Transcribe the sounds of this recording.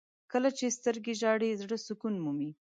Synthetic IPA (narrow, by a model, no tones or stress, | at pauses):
kəlat͡ʃest̪əɾɡeʒɑɽezɽəsʊkunmumi